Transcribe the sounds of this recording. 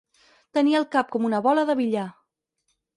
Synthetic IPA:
t̪əniəːlˠkap̚kɔmunəβɔləðəβiʎa

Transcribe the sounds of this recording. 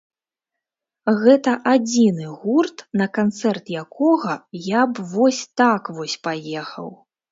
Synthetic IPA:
ɣɛt̪ɐʔad͡zʲinɨɣurt̪nɐkant̪sɛrt̪jakʰɔɣɐjabvɔsʲt̪akvɔsʲpajɛxɐ̰w

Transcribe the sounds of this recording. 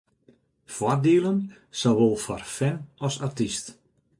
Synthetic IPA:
fwɔrdiəlˠən | saʋolˠfɔrfɛnɔsartist

